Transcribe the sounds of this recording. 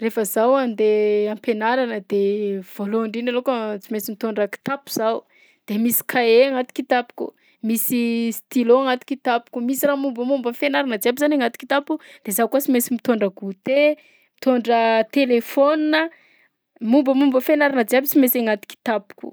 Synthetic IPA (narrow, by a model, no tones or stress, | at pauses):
refəzawand̪eampenaɾanəd̪ev̥oloaɳɖ͡ʐinalokət͡simesimit̪oɳɖ͡ʐəki̥t̪apu̥z̥au | d̪̥emisi̥kʰaeaŋat̪i̥kit̪api̥kʲṵ | misist̪iloaŋat̪i̥kit̪apu̥kʲumisiramumbəmumbəfenaɾanəd͡ziabizanaŋat̪i̥ki̥t̪apukud̪̥ezakuat͡simesimit̪oɳɖ͡ʐəɡut̪e | mit̪oɳɖ͡ʐət̪elefoninə | mumbəmumbəfenaɾanəd͡ziabit͡simeseŋat̪i̥ki̥t̪apu̥ku̥̰